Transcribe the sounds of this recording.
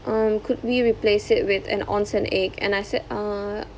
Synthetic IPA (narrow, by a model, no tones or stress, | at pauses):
ʔʌ̃mkʰʊd̚wiɹiplesɪt̚wɪtɛ̰̃nɔ̰̃nsə̃nʔɛkʰɛ̰̃najsɛa